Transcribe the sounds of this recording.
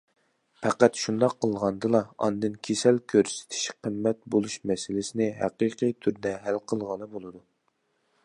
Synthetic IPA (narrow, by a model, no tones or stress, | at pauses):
pʰæqæt̪ʃund̪ɑqʰːəlˠʁɑnd̪ɨlˠɑɑ̰nd̪ɨnkʲʰesɛlkʲʰøɾsɪ̥t̪ʰɪ̥ʃqʰəmːɛt̪̚bolˠuʃmɛsɪlɪsɪnɪɦæ̰qiqʰijt̪ʰyɾd̪ɛɦælqʰəlˠʁɑnɨbolˠɨd̪u